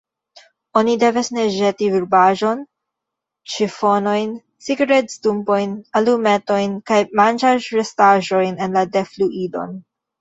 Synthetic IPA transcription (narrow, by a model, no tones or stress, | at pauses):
onid̪evesneʒet̪ivuɾbaʒo̞n | t͡ʃifonojn | siɡɾet̪st̪umpojnalumet̪ojnkajmand͡ʒaɾɾest̪aʒojnenlad̪efluʔido̞̰n